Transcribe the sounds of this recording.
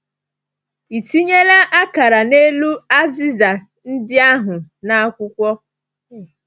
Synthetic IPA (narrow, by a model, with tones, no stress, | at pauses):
i˨ti˦ɲe˦la˦ʔa˦ka˨ɾa˨ne˦lu˦a˦zɪ˦za˨ | n̩˦dɪ˦a˦ɦʊ˨na˦kʷʊ˦kʷɔ˦